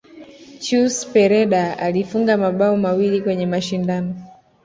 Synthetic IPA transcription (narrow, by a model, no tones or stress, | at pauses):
t͡ʃuspɛɾɛɗaalifuŋɡamaɓaɔmawilikwɛɲɛmaʃindanɔ